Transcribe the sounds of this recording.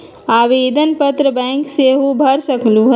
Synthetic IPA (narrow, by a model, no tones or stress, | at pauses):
aːʋeːd̪ənpət̪ɾəbɛ̃ːŋkseɦubʱɐɾsəkluɦ